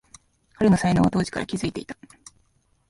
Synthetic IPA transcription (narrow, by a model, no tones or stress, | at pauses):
kʰaɾeno̞sainoːβat̪o̞ːʑi̥ka̰ɾa̰kʲizɨit̪e̞̰it̪ḁ